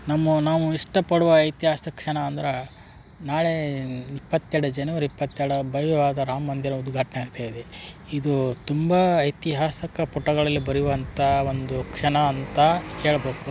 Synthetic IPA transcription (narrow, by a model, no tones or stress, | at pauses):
namːunaːʋuiʂʈɐpɐɽuʋɐɐjt̪iɦaːsɐkʂɐɳɐːnd̪ɐɾe | naːɭe̞ipːɐt̪ːjɛɾɽud͡ʒɐnuʋɐɾipːɐt̪ːjɛɾɽɐbʱɐjʋɐʋaːd̪ɐɾaːmːɐnd̪iɾɐud̪ɡʱaːʈɐneaːɡt̪aːjid̪e | id̪ut̪umbɐɐjt̪iɦaːsɐkɐpɔʈːɐɡɐɭɐlːibɐɾiʋɐnt̪ɐo̞nd̪ukʂɐɳɐːnt̪ɐhe̞ːɭɐbeːku